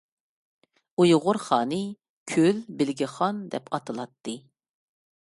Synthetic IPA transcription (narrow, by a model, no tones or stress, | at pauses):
ujʁʊɾχɑːnɨ | kʲʰølbɪlɡʲiχɑnd̪ɛpʰɑt̪ʰɨlˠɑt̪ːɨ